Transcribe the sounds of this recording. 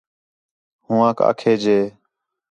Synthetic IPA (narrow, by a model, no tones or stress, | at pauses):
hũːãːka̰ːkʰeːd͡ʒeː